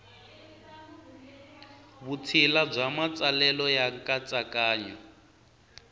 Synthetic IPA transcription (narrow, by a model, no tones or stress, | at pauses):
βutʰilab͡ʐamat͡sʼalɛlɔjaŋkʼat͡sʼakʼaːɲɔ